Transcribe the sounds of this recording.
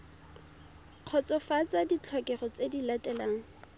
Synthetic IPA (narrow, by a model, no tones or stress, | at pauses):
q͡χʰɔt͡sɔfat͡sadit͡ɬʰɔkʼɛχɔt͡sedilatʼɛlaːŋ̩